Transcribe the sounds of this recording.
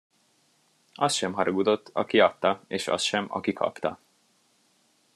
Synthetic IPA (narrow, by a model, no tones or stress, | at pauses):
ɒsʃɛmɦɒɾoɡud̪o̞t̪ːɒkiɒt̪ːɒeːʃɒ̰sʃɛmɒ̰kikʰɒ̰pt̪ɒ